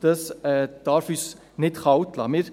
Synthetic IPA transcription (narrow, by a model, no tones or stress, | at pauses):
d̥ɑsɛːd̪̥ɑɾfys | nɪtχɑwt̪lɑ̰mɪɾ